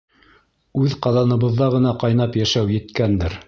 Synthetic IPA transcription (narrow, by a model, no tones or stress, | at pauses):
ʉðqɑðɑnɤ̆βɤ̆ðːɑʁɤ̆nɑqɑjnɑpjæʃæwjɘ̆t̪kænd̪ɘɾ